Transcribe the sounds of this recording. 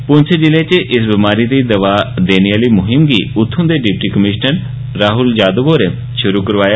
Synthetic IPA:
pʊnsed͡ʒɪleːt͡ʃʔɪsbimaːɾiːd̪iːd̪əʋaːd̪eːniaːliːmʊɦɪmɡiːʊt̪ʰːõːd̪eːɖɪp̚ʈiːkəmɪʃnən | ɾaːɦʊld͡ʒaːd̪əboːɾeː | ʃʊɾuːkəɾʋaːjaː

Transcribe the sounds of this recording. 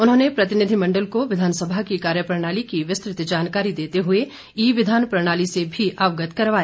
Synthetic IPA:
ʊnɦõːnepɾɐt̪ɪnɪd̪ʱimɐ̃ɳɖəlkoʋɪd̪ʱaːnsəbʱakikaːɾjəpɾəɽ̃aːlikiʋɪst̪ɾɪt̪d͡ʒaːnkaːɾid̪eːt̪eɦʊe | iːʋɪd̪ʱaːnpɾəɽ̃aːlisebʱiʔaːʋɡət̪kɐɾʋaːe

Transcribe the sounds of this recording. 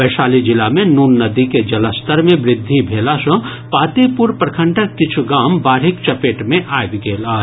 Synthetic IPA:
bəɪʃaːlid͡ʒɪlamẽnuːnːəd̪iked͡ʒɐləst̪əɾmẽbɾɪd̪ʱːibʱeːlasə̃ | paːt̪epʊɾpɾkʰə̃ɳʈʰəkːɪt͡ʃʰuɡaːmbaːɾɦɪkt͡ʃɐpeːʈmẽʔaːjb̪ɡeːlaː

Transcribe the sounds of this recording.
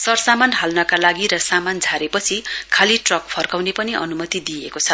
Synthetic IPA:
sʌrsamanɦalnʌkalaɡiɾʌsamand͡zʱaɾepʌt͡sʰikʰaliʈrʌk̚pʰʌrkawnepʌniʔʌ̰numʌt̪id̪iekot͡sʰʌ

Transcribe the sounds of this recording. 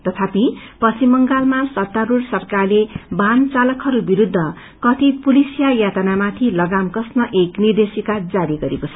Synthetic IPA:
t̪ʌt̪ʰapipʌsʰimʌŋɡalmasʌt̪ːaɾursʌrkarlebʱant͡salʌkɦʌɾubiɾud̪ʱːʌ | kʌt̪ʰipulisijajat̪anamat̪ʰilʌɡamkʌsnʌʔeknird̪esikad͡zaɾiɡʌɾekot͡sʰʌ

